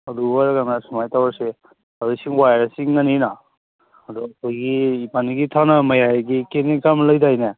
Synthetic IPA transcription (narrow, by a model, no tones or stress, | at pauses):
ɐduwaɾɡanasumajtawaɾse | aɾijsiŋwajɾasiŋːanina | ɐdɔɐkʰɔjɡiːpaniɡitʰanamɐjajɡikenekamləjdajne